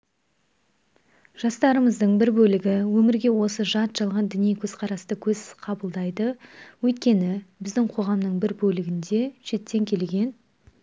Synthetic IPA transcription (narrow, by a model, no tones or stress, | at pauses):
ʒ̥ɑst̪ɑɾəməzd̪əɴbɪɾbɵlɪɡʲɪwɵmɪɾɡʲe̞wo̞səʒɑt̪ʒ̥ɑlˠʁɑnd̪ʏnijkʲʰɵzqʰɑɾɑst̪əkʲʰɵzqʰɑbəlˠd̪ɑjd̪əwɵjt̪̚kʲe̞nɪbɪzd̪ɪŋqʰo̞ʁɑmnəɴbɪɾbɵlɪɡʲɪnd̪e̞ʃe̞t̪ːe̞ŋkʲʰe̞lɡʲe̞n